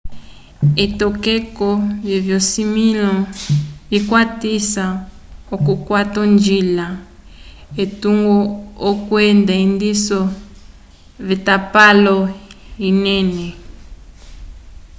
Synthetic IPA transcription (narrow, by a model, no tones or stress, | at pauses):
etɔkekɔvjevjɔsimilɔvikwatisa | okukwatɔnd͡ʒila | etuŋɡɔːkwɛndaindisɔ | βitapalɔ | inɛnɛ